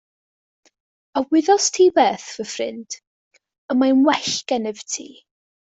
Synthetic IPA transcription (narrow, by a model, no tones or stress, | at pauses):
əwɪðɔstʰiːbɛːθvəfrɪ̰nd̥ | əmajnwɛɬɡɛnɛvtʰḭː